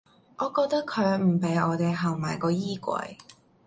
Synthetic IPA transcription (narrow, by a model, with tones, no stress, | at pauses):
ʔɔː˨˧kɔː˧k̚t̪ɐ˥kʰːɵ˨˧ɥm̩˨˩pe˨˥jɔː˨˧t̪e˨jɦɐ˨˩wmaː˨jkɔː˧jiː˥kʷɐ̰˨˧j